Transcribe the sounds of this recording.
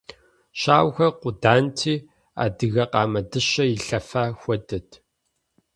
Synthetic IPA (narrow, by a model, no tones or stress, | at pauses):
ɕaːwxɐqʷʊdaːntʰiː | a̰ːdɨɣɐqɑːmɐdɨɕɐjɪɬɐfaːxʷɔdɐtʰ